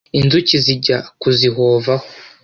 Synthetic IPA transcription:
inzuciziɟakuziɦoːvaho

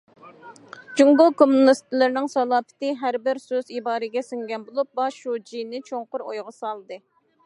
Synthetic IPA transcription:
d͡ʒuŋɡokʰomːunɨst̪ʰɨlˠɨɾnɪŋsɑlˠɑːpɪ̥t̪ɨɦæɾbɪɾsøzibɑːɾɨɡʲɛsyŋɡʲɛnbolˠup̚bɑʃud͡ʒijnːɪt͡ʃʰoŋqʊɾojʁɑsɑlˠd̪ɨ

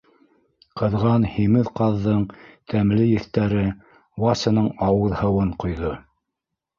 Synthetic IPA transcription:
qɤ̆ðʁɑnhimɘðqɑðːɤɴt̪ʰæmlɘjɘ̆θt̪æɾɘ | wɑsʲɤ̆nɤɴɑwɤ̆ðhɤ̆wɤɴqŏjðo

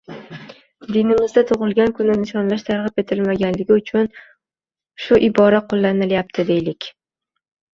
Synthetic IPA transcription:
d̪inɪmɪzd̪at̪ʰʊʁɨlˠɡʲankʰʊnɪnɪʃɒnlaʃt̪ʰaɾʁɨpe̞t̪ʰɪlmaɡʲanlɪɡʲɪʊt͡ʃʰʊn | ʃʊʔɪbɒɾaqʰolːanɪljap̚t̪ʰɪd̪e̞jlɪkʲ

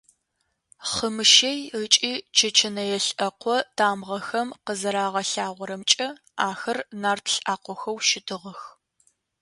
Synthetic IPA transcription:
χəmɨʃejət͡ʃʼiːt͡ʃʰɐt͡ʃʰɐnɐjɛɬʔɐqʷɔtʰaːmʁɐxɐmqəzɐɾaːʁɐɬaːʁʷɔɾɐmt͡ʃʼɐ | aːxɐrnaːrtʰɬʔaːqʷɔxɐwʃɪtʰɨʁəx

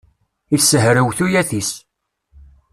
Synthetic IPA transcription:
iθsːəɦɾəwθujæθis

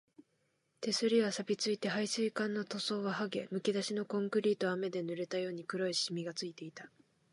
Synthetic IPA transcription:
t̪e̞sɨɾʲiβasabʲit͡sɨit̪e̞ɦaisɨikãnːo̞t̪o̞so̞ːβaɦaɡe̞mɯ̟kʲid̪aɕino̞kõ̞ŋkɯ̟ɾʲiːt̪o̞ame̞d̪e̞nɯ̟ɾe̞t̪ajo̞ːɲ̟ikɯ̟ɾoiɕimʲiɡat͡sɨit̪e̞it̪a

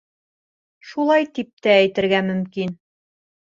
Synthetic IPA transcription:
ʃulˠɑjt̪ip̚t̪æːjt̪ɘ̆ɾɡæmɵ̆mkin

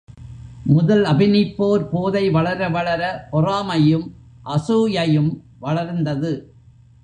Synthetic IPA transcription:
mʊðɐlɐbɪnɪpːoːɾpoːðɐɪʋɐɭɐɾɐʋɐɭɐɾɐpɔraːmɐjɯm | ʔɐsuːjɐjɯm | ʋɐɭɐɾnd̪ɐðɯ

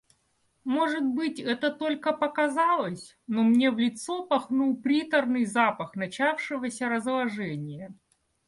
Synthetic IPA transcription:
mo̞ʐɨt̪̚bɨtʲɛt̪ət̪o̞lʲkəpəkɐzɑlˠəsʲ | nomnʲevlʲɪt̪sopɐxnulˠpɾʲit̪ərnɨjzapəxn̪ɐt͡ɕafʂɨvəsʲəɾəzlˠɐʐɛnʲɪjə

